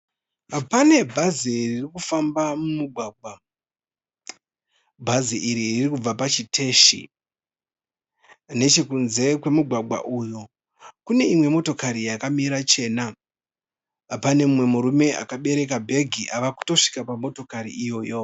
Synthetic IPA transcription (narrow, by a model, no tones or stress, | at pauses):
apane̞bʱaziririkufambamumuɡʱwaːɡʱwa | bʱaziʔiɾiirikub͡vapat͡ʃitʰe̞ːʃḭ | ne̞t͡ʃe̞kunze̞kwe̞muɡʱwaɡʱwa̰ʔujo | kune̞imwe̞mo̞to̞kaɾijakamiɾat͡ʃe̞na | pane̞mumwe̞muɾume̞ʔa̰kaɓe̞ɾe̞kabʱe̞ɡʱiʔaʋaku̥to̞ʂi̥kapamo̞to̞kaɾiijo̞ːjo̞